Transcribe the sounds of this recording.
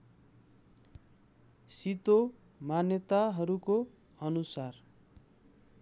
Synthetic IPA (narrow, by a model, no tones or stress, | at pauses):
sit̪o | manjʌt̪aɦʌɾuko | ʌnusar